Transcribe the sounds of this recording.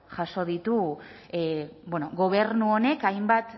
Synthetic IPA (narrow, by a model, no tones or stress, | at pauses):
ʝaso̞ð̞it̪u | bweno̞ɣo̞β̞e̞ɾnuone̞kajmbat̪